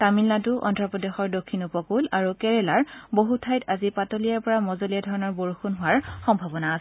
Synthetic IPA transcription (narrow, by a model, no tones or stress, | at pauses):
tamilːatʊʔɔ̰ndɹɔpɹɔdexɔɹdokʰːinupɔkulaɹukɛɹɛlaɹboɦutʰajtazipatolijaɹpɔɹamɔzolijadʱɔɹɔnɔɹboɹxunɦʊwaɹxɔmbʱabɔnaːs